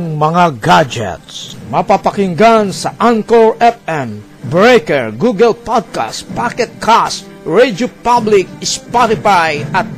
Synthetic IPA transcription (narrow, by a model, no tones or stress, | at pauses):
ŋmɐŋaɡad͡ʒɛ̰t̪smɐpapakɪŋɡansɐʔaŋkɔɹʔɛpɛm | bɹejkɛɹɡuɡɛlpad̪̚ka̰st̪̚pakɛt̪̚kʰast̪ | ɹed̪jopablɪk̚spɔt̪ɪfajat̪̚